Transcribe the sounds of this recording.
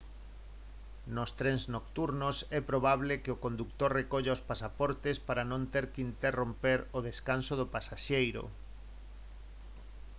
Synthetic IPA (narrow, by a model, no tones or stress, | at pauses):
nost̪ɾɛŋznokt̪uɾnosɛpɾoβaβlekɪokond̪ukt̪oɾrekoʎaospasapɔɾt̪espaɾanõnt̪eɾkint̪erompeɾoðeskansoðʊpasaʃejɾo̰